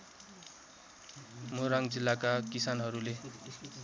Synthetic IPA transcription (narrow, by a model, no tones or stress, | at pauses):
moɾaŋɡd͡zilːakakisanɦʌɾule